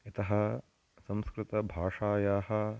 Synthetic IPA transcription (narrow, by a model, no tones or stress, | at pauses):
ɐt̪ɐɦɐ | sɐ̃mskɾɪt̪ɐbʱaːʂaːjaːɦɐ̆